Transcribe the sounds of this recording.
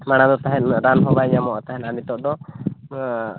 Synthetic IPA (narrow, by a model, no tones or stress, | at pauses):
maɽ̃ad̪ɔt̪aɦɛt̪ɾanɦɔbaɲamɔʔt̪aɦɛ̃t̪anit̪ɔʔd̪ɔ